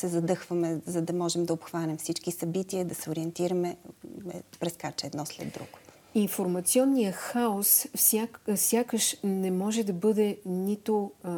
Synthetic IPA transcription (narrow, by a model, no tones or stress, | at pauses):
sɛzɐd̪ɤxvəmɛzɐd̪ɐmɔʒɛmd̪ɐopxvanɛmfsit͡ʃkisɐbit̪iəd̪ɐsɛoɾiɛnt̪iɾɐmɛɛpɾɛskat͡ʃɛːd̪nɔslɛ̰d̪ːɾṵɡ̥o̥ | infoɾmɐt̪siɔnːijəxaossasʲjakəʃnɛmɔʒɛd̪ɐbɤd̪ɛnit̪o